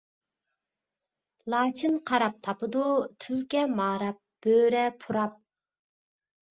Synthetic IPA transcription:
lˠɑːt͡ʃʰɨnqʰɑɾɑp̚t̪ʰɑpɨd̪ut̪ʰylkʲɛmɑːɾɑp̚b̥øːɾɛpʰuɾɑp̚

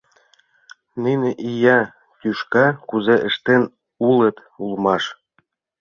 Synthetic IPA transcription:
nijneʔijɑ | t̪ʲyʃkɑkuzeʔə̆ʃt̪en | ulət̪ | ulmɑʃ

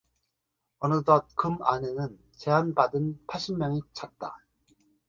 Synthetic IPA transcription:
ʌnɯdʌt̚kɯmanenɯn | t͡ɕeɦanpadɯnpʰaɭɕʰimːjʌŋit͡ɕʰat̚t͈a

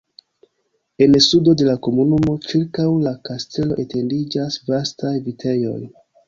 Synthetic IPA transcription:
e̞nsudo̞de̞lako̞munumo̞t͡ʃiɾkawlakaste̞lo̞̰ʔe̞tʰe̞ndid͡ʒasvastajvitʰe̞jo̞̰j

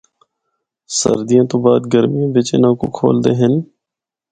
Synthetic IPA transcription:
sə̰ɾd̪ijãːt̪õːbaːd̪̚ɡəɾmijãːʋɪt͡ʃɪnãːko̰ːkʰo̰ːld̪eːɦɪn

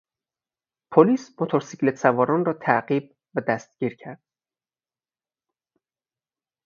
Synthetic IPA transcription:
pʰoliːsmot̪ʰoɾsiclet̪sævɒːɾɒnrɒːt̪ʰæɢiːb̚ | væd̪æst̪̚ɟ̥iːɾcʰæɾd̪̥̚

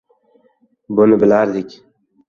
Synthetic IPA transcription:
bʊnɪbɪlaɾd̪ɪkʲ

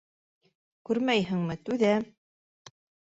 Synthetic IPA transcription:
kʉɾmæjɦɘ̆ŋmɘt̪ʉðæ

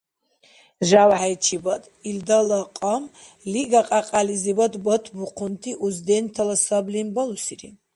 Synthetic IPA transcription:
ʒawʕajt͡ʃʰibad̪ | ild̪alɔqʼɔm | liɡaqʼaqʼalizibad̪bɔt̪ʰbuqʰunt̪ʰiʔuzd̪ɛnt̪ʰalasɔblinbɔlusiɾḭ

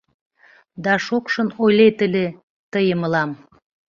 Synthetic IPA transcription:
d̪ɑʃokʃə̆nojlet̪ə̆lʲe | t̪əjəməlɑm

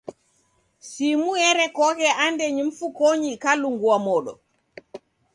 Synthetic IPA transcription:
simujɛɾɛkɔkɛʔandɛɲumfukoɲikaluŋɡuwamɔːɗɔ̰

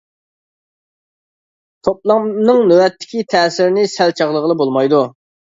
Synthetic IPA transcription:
t̪ʰop̚lˠɑnɨŋnøwɛt̪ʰːɪ̥kʲit̪ʰɛːsɪɾnɪsælt͡ʃʰɑʁlˠəʁəlˠɨbolˠmɑjd̪u

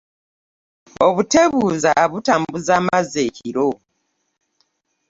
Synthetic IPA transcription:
oβute̞βuːzaβutaːmbuzaːmazeciɾo

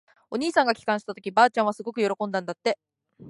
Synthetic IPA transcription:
o̞ɲ̟iːsãŋɡakʲi̥kãɕi̥t̪at̪o̞kʲibaːt͡ɕãɰ̃βasɨɡo̞kɯ̟jo̞ɾo̞kõ̞nd̪ãnd̪at̪ːe̞

